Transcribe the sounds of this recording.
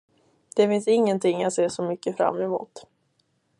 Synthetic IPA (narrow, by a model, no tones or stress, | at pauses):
d̪̥ɛfɪnsɪŋːənt̪ʰɪŋːat̪seːʂɔmʏkːəfɾa̰mːɛmṵːt̪